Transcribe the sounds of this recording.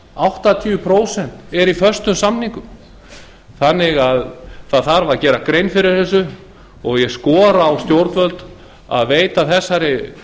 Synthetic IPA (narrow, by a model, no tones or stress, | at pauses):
awht̪at̪ʰiʏpʰɾoːwsɛn̥t̪ɛɾifœrst̪ʏmsamniŋkʏm | θanːɪɣaðθaðθaɾvacɛːɾakɾejnfɪɾɪɾ̥θɛsʏ | ɔɣjɛskɔːɾaːwst̪jowɾt̪vœlt̪ | a̰ðveːjt̪aθɛsːaɾɪ